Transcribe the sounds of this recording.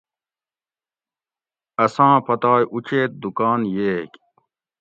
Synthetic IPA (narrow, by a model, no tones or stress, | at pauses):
ɐsãːpʰɐt̪aːjʔut͡ɕeːt̪̚d̪ukaːnjeːkʲ